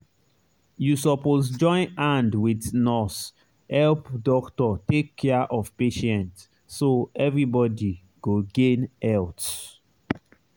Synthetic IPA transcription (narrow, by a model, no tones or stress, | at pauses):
jusɔposd͡ʒɔ̃ɪ̃nãndwidnɔs | hɛlpdɔktɔtekʰːɛʔɔvpeʃɛ̃nt | soɛvɹibɔdi | ɡ̥oɡẽnɛlt